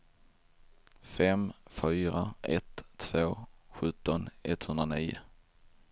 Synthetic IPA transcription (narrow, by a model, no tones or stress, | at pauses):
fɛmfyːɾaɛt̪ʰːv̥oːɧɵt̪ːɔnɛt̪hɵnd̪ɾaniːjʊ̰